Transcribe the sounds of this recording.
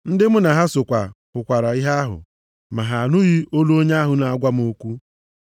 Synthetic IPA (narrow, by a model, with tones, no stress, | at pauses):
n̩˦dɪ˦mʊ˦na˨ɦa˦sʊ˨kʷa˨pʊ˨kʷa˨ɾa˨i˦ɦa˦a˦ɦʊ̰˨ | ma˨ɦa˨nʊ˦ɣi˦o˦lu˦o˦ɲe˦a˦ɦʊ˨na˨a˨ɡʷa˦m̩˦o˦kʷu˦